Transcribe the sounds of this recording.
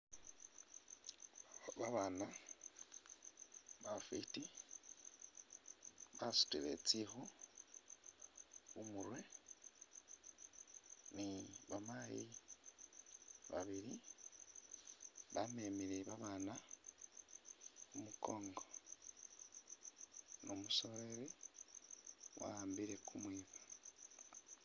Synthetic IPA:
βaβana | βafiti | βasu̥tilḛt͡sixu | wumuɾwe | niβamaji | βa̰βiɾi | βamemiɾeβaβana | umuko̞ːŋɡo | nomuso̞ɾe̞ɾe | wʔa̰aːmbiɾe̞kumwiβa

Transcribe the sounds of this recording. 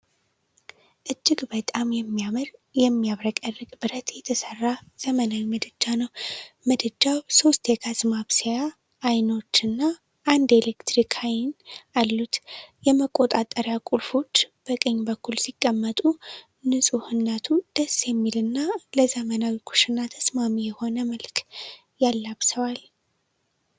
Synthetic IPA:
ʔɨd͡ʒːɪɡbət̪ʼamjɛmːijamɾjɛmːiaβɾəkʼərːɨkʼbɨɾət̪jɛt̪ʰəsərːaz̥əmənawiməd̪ɨd͡ʒanəwməd̪ɨd͡ʒːawso̞st̪jɛɡʰazɨmaβseja | ʔːjno̞t͡ʃːɨnːa | ʔːnd̪elekt̪ɾikʰajnalːut̪jɛməkʼo̞t̪ʼat̪ʼəɾjakʼulfo̞t͡ʃːb̥əkʼəɲːbəkʰːulsikʼːəmːət̪ʼu | nɨsʼuhɨnːat̪ʰud̪̥əsjɛmːilɨnːaləzəmənawikʰu̥ʃɨnːat̪ʰəsmamijɛho̞nəməlk | jalːaβsəwal

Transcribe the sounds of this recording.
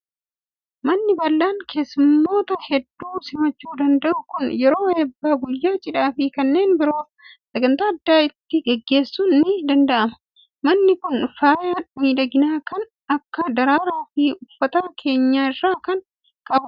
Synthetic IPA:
mɐnːɪbɐlːaːŋkʰe̞ːsʊmːo̞ːt̪ɐhɛd̪ːuːsɪmɐt͡ʃːuːd̪ɐnd̪ɐʔʊkʊnjɛɾo̞ːeːbːaːɡʊjːaːt͡ʃʼɪᶑaːfɪkɐnːe̞ːnbɪɾo̞ːf | sɐɡɐnt̪aːɐd̪ːaːɪt̪ːɪɡɛɡːe̞ːsːʊnnɪd̪ɐnd̪ɐʔɐmɐ̥ | mɐnːɪkʊnfaːjaːnmiːᶑ̪ɐɡɪnaːkɐn | ɐkːɐd̪ɐɾaːɾaːfɪʊfːɐt̪aːkʰe̞ːɲːaːɪrːaːkɐn | kʼɐbʊ

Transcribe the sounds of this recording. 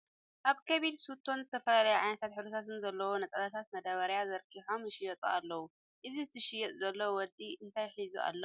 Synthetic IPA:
ʔaβkʰɐβilsut̪ʰːo̞nzɨt̪ʰɐfɐlalɐjuʕa̰jnɐt̪ʰat̪ħɨɾut̪ʰat̪ʰɨnzɐlːɐwonɐt͡sʼɐlɐt̪ʰat̪mɐd̪ɐβɐɾjazɐɾkʰiħomjɪʃɪjɛt̪ʼualːɐwu | ʔɨzizɨt̪ʰɨʃɪjɛt̪ʼzɐlːɐwowɔd̪iʔɨnt̪ʰajħizuʔa̰lːɐw

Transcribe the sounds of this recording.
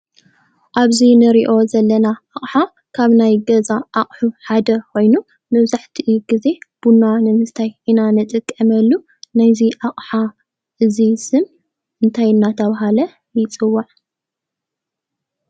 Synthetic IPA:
ʔaβzinɨɾiʔo̞zɐlːɐnaaχʼħa | kʰaβnajɡɐzaʔaχʼħuħad̪ɐkʰo̞jnu | mɐβzaħt̪ʰiʔɨjuɡize̞b̥unːanɨmɨt̪ʰajinanɨt̪ʼɨkʼːɐmɐlːu | najziʔaχʼħa | ʔɨzisɨm | ʔɨnt̪ʰajɨnːat̪ʰɐβaɦalɐ | jɪt͡sʼɨwːaʕ

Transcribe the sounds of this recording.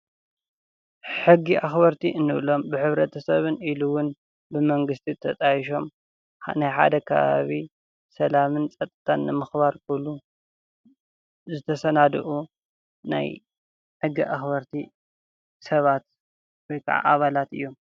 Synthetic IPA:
ħɨɡːiʔaxbɐɾt̪ʰiʔɨnːɨβlo̞mbɨħɨβɾɐt̪ʰɐsɐβɨniluwʊn | bɨmɐŋɡɨst̪ʰit̪ʰɐt̪ʼajiʃ̬o̞m | najħa̰d̪ɐkʰɐ̰βa̰βi | sɐlamɨnt͡sʼɐt̪ʼːɨ̥t̪ʰanːɨmɨxβaɾkʰulu | zɨt̪ʰɐsɐnad̪ɨ̰ʔu | na̰j | ħɨɡːiʔaxβɐɾt̪ʰi | sɐβat̪̚ | wojkʰa̰ʕa̰ʔaβalat̪ɨ̰jːom

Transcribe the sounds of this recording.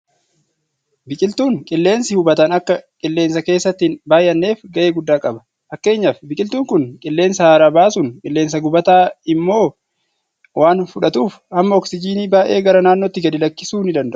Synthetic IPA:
bɪkʼɪlt̪uːŋkʼɪlːe̞ːnsɪhʊbɐt̪ɐnɐkːɐkʼɪlːe̞ːnsɐke̞ːsːɐt̪ːɪnbaːjʔɐnːe̞ːfɡɐʔe̞ːɡʊd̪ːaːkʼɐbɐ̥ | fɐkːe̞ːɲːaːfbɪkʼɪlt̪uːŋkʊnkʼɪlːe̞ːnsɐhaːɾaːbaːsʊŋkʼɪlːe̞ːns̬ɐɡʊbɐt̪aːɪmːo̞ː | waːnfʊᶑɐt̪uːf | ɐmːɐɔksɪd͡ʒiːniːbaːʔe̞ːɡɐɾɐnaːnːot̪ːɪɡɐd̪ɪlɐkːɪsuːnɪd̪ɐnd̪ɐʔʊ̥

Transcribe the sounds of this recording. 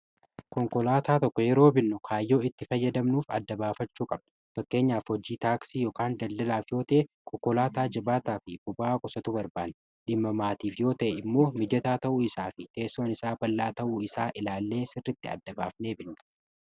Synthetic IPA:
kɔŋkɔlaːt̪aːt̪ɔkːɔjɛɾo̞ːbɪnːʊkʰaːjːo̞ːɪt̪ːɪfɐjːɐd̪ɐmnuːfɐd̪ːɐbaːfɐt͡ʃːuːkʼɐb̚nɐ̥ | fɐkːe̞ːɲːaːfhɔd͡ʒiːt̪aːksijoːkaːnd̪ɐld̪ɐlaːfjo̞ːt̪ɐʔekʰɔkːɔlaːt̪aːd͡ʒɐbaːt̪aːfɪbʊbaːkʼʊsɐt̪ʊbɐɾbaːnː | ᶑɪmːɐmaːt̪iːfjo̞ːt̪ɐʔɛɪmːo̞ːmɪd͡ʒɐt̪aːt̪ɐʔuːɪsaːfɪt̪e̞ːsːoːnɪsaːbɐlːaːt̪ɐʔuːɪsaːʔɪlaːlːe̞ːsɪrːɪt̪ːɪɐ̰d̪ːɐba̰ːfne̞ːbɪnːʊ̥

